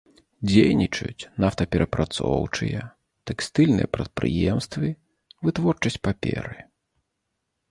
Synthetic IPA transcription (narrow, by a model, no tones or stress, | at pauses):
d͡zʲejnʲit͡ʂɐ̰jut͡sʲnaft̪ɐpʲɛɾʔɐpɾʔat̪sɔ̰wt͡ʂɨjɛ | t̪ɛkst̪ɨlʲnɨ̰jɛpɾɐt̪̚pɾɨ̰jɛmst̪vɨ | vɨt̪vɔrt͡ʂɐsʲt͡sʲpapʲɛ̰ɾɨ